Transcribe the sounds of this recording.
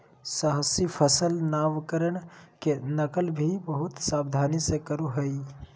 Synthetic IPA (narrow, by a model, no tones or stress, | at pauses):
səɦəsipʰəsəlnaːʋkəɾəɳ̃kenəkəlbʱibəɦʊt̪saːbd̪ʱaːnisekəɾuɦəi